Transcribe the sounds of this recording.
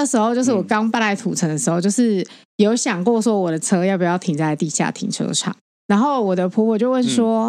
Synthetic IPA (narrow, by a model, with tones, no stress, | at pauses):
ə˧˩ʂɻ̩˧˥xo˥ʊt͡ɕjo˥˧ʊʂ̬̩˥˩wɔ˨˩kɑ˦˥ŋpa˥˧nla˥ɪt̪ʰu˨˩ʈ͡ʂʰə˧˦ŋd̪ə˩ʂ̩˧xo˥˧ʊt͡ɕjo˥˧ʊʂɻ̩˥˩ | jo˧˥ʊɕjɑ˨˩ŋkwɔ˥˩swɔ˦wɔ˨˩d̪ə˩t͡sʰɤ˥jpu˨˩jɑ˥˩ʊt̪ʰi˨˩t͡sa˥˧ɪt̪i˥˧ɕja̰˥˩t̪ʰḭ˨˩ŋʈ͡ʂʰɤ̰˥ʈ͡ʂʰɑ̰˨˩˦ŋ | na˧˥nxo˥˩ʊwɔ˨˩d̪ə˩pʰɔ˧˥pʰɔ˨˩t͡ɕjo˥˧ʊwə˥˨˩nswɔ˥